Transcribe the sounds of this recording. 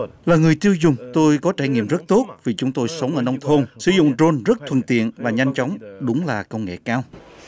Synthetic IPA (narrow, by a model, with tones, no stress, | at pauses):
laː˨˩ŋɨ˨˩əjt̪i˧əwzʊ˨˩ŋ͡mt̪o˧jkɔ˨˦t͡ɕaː˧˩jŋḭ˧˨əmzə˦˥t̚t̪o˦˥t̚vi˨˩t͡ɕʊ˨˦ŋ͡mt̪o˧jsə˨˦wŋ͡mʔəː˧˩nɔ˧wŋ͡mt̪ʰo˧nsɨ˧˦zʊ̰˧˨ŋ͡mzo˧nzə˦˥t̚t̪ʰwə̰˨˧˩nt̪ḭ˧˨ənvaː˨˩ɲa˧jŋ̟t͡ɕɔ˨˦wŋ͡mɗʊ˨˦ŋ͡mlaː˨˩kə˧wŋ͡mŋḛ˧˨kaː˧w